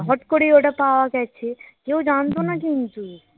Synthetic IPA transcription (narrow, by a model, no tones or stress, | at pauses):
ɦɔʈkoɽioʈapaʋakɛt͡ʃʰekeud͡ʒant̪̬onakint̪u